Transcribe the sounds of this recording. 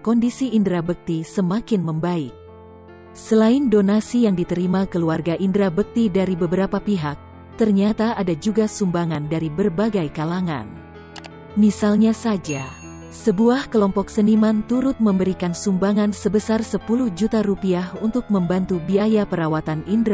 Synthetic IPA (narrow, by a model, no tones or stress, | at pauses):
kɔndisiʔːndɾabək̚t̪isəmakɪnməmbaɪk̚ | səlaɪndonasijaŋdit̪əɾimakəluarɡaʔindɾabək̚t̪idaɾibəbəɾapapiɦak̚ | t̪ərɲat̪aʔadad͡ʒuɡasumbaŋandaɾibərbaɡajkalaŋa̰n | misalɲasad͡ʒa | səbuahkəlɔmpɔksənimant̪uɾʊt̪̚məmbəɾikansumbaŋansəbəsarsəpuluhd͡ʒut̪aɾupiahunt̪ʊk̚məmbant̪ubiajapəɾawat̪anindɾ